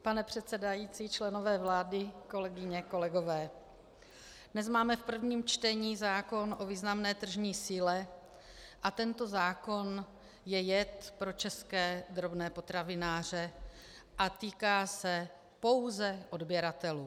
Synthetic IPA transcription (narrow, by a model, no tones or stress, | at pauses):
panɛpr̝̥ɛt̪sɛdajiːt͡siːt͡ʃlɛno̞vɛːvlaːdɪko̞lɛɡɪɲɛko̞lɛɡo̞vɛː | dnɛzmaːmɛfpr̩vɲiːmt͡ʃt̪ɛɲiːzaːko̞nʔo̞viːznamnɛːt̪r̩ʒɲiːsiːlɛ | ʔat̪ɛnt̪o̞zaːko̞n | jɛjɛt̪pɾo̞t͡ʃɛskɛːd̪ɾo̞bnɛːpo̞t̪ɾavɪnaːr̝ɛ | ʔat̪iːkaːsɛ | po̞wzɛʔo̞dbjɛɾat̪ɛluː